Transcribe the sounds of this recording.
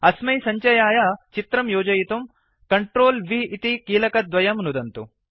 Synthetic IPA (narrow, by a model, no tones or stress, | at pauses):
ɐsmɐjsɐɲt͡ʃɐjaːjɐt͡ʃit̪ɾɐmjoːd͡ʒɐjit̪um | kɐɳʈɾoːlʋiit̪ikiːlɐkɐd̪ʋɐjɐmnud̪ɐnt̪u